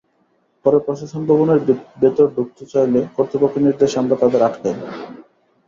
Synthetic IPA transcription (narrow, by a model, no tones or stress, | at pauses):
pɔɾepɾoʃaʃonbʱɔboneɾbet̪oɾɖuk̚t̪ot͡ɕajlekoɾt̪ɾipokʰːiniɾd̪eʃamɾat̪ad̪eɾaʈʰben